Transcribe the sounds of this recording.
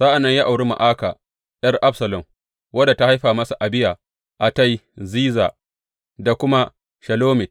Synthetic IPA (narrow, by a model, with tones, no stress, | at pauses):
saː˦ʔa˨nːɐ˦ɲja˦ʔa˨wɽi˦ma̰˨ʔaː˦kaː˨ | j̰ɐ˦rʔa˦bsɐ˨lɐ˨m | wɐ˦da˨ta˦ha˦jɸaː˨mɐ˦sa˨ʔa˨bɪ˦jaː˨ | ʔa˨ta˦jziː˦za̰ː˨ | da˨kʷʊ˦ma˦ | ʃɐ˨loː˦mɪ˨t